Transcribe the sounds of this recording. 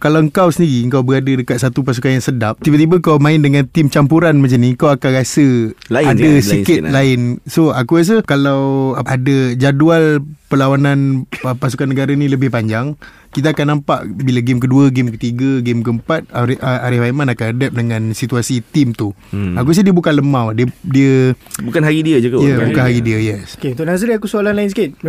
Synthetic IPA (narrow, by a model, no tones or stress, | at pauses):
kalaəŋkawsəndiɾiəŋkawbəɾadədəkat̪̚sat̪upas̬ukanjaŋsədap̚t̪ibət̪̬ibəkawmãɪndəŋãnt̪ɪmt͡ʃampuɾanmat͡ʃanĩkawakanɾasəaadəsikɪt̪laɪnsoakus̬əkalawadəd͡ʒadualpəlawananpasukanːəɡaɾanĩləbɪhpaɲd͡ʒaŋ | kit̪̬aakanːampaʔbilaɡemk̬əduəɡemkət̪iɡəɡɪmkəəmpat̪̚ɾaɾɪhwaimanakanadɛp̚dəŋãnsit̪uasit̪imt̪uak̬us̬ədiəbukanləmãwdiədiəbukanɦaɾidiəd͡ʒukjəbukanɦaɾidiəjɛsket̪onaz̬ɾiakusualanlaɪnsikɪt̪̚